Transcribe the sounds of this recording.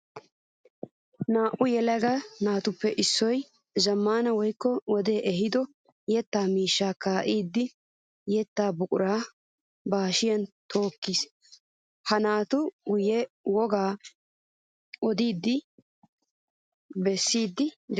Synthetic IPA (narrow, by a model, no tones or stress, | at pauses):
naːʔʊjɛlɛɡɐnaːt̪ʊpːɛʔɪsːɔj | zɐmːaːnɐwɔjkːɔwɔd̪e̞ːʔɛɦɪd̪ɔ | jɛt̪ːaːmiːʃːaːkaːʔiːd̪ːɪ | jɛt̪ːaːbʊkʼʊɾaː | baːʃɪjɐnt̪ʰo̞ːkːis | hɐnaːt̪ʊɡʊjɛ | wɔɡaː | ɔd̪iːd̪ːɪ | bɛsːiːd̪ːɪd̪